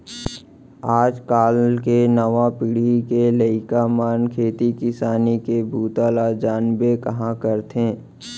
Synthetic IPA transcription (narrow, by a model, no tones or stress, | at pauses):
aːd͡ʒkaːlkenɐʋapɪɽikeləɪkamaːnkʰeːt̪ikɪsaːnikebʱuːt̪aːlad͡ʒaːnbekɐɦãkəɾt̪ẽː